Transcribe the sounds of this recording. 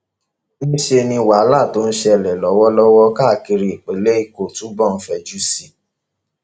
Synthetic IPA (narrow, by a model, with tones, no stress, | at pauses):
ñ̩˦ʃe˧nĩ˧wa˨˦la˦˨to˦n̩˦ʃɛ˧ɛ˨lɛ˨lɔ˨˦wɔ˦lɔ˦wɔ˦ka˦˨ki˧ɾi˧i˨k͡pe˨˦le˦i˧˨ko˨tũ˨˦bɔ˦˨n̩˦fɛ˧˨d͡ʒu˦si˦˨